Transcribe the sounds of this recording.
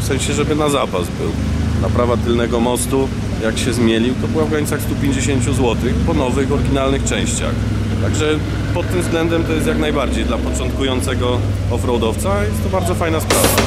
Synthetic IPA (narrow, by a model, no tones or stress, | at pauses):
fsɛ̃ɲ̃ɕɛʐɛbɘnazapazbɘ̰w | napɾavat̪ɘlnɛɡɔmɔst̪u | jakɕɛzmʲjelʲiwt̪ɔbɘwavɡɾaɲit̪saxst̪upʲjeɲd͡ʑeɕeɲt͡ɕuzwɔt̪ɘxpɔnɔvɘxɔɾɡʲinalnɘxt͡ʂɛ̃w̃ɕt͡ɕa̰x | t̪aɡʐɛ | pɔt̪ːɘmzɡlɛnd̪ɛmt̪ɔjɛst̪jaknajbaɾd͡ʑejd̪lapɔt͡ʂɔnt̪̚kujɔnt̪sɛɡɔ | ɔfɾɔwd̪ɔft̪sajɛst̪ːɔbaɾd̪zɔfajnaspɾava̰